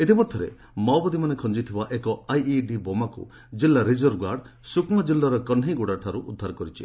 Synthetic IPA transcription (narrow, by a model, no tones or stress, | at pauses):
et̪ipɔt̪ʰːɔɾḛ | mawbɔd̪imanekʰɔnd͡ʒit̪ʰibaʔekɔajiɖibɔmakṵ | d͡ʒilːaɾid͡ʒɔɾɡaɾɖsukmad͡ʒilːaɾɔkɔnɦiɡuɽaʈʰaɾuʔud̪ʱːaɾɔkɔɾit͡ʃʰḭ